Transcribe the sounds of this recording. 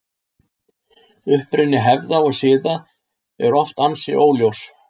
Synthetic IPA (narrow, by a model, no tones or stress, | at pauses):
ʏhpɾɪnːɪɦɛvðaɔɣsɪːða | ɛ̰ɾɔft̪ansɪʔoːwljows